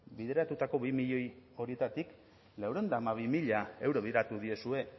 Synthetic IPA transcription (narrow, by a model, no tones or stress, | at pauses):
biðe̞ɾat̪ut̪ako̞βimiʎo̞jo̞ɾie̞t̪at̪ik | lawɾo̞nd̪aːmaβ̞imiʎae̞wɾo̞βiðeɾat̪uðio̞sue̞